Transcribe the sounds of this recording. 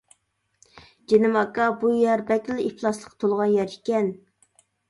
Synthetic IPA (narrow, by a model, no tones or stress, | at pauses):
d͡ʒenɪmɑkɑbujɛɾbɛkʲlipʰlˠɑslˠəqt̪ʰolˠʁɑnjɛɾikʲɛn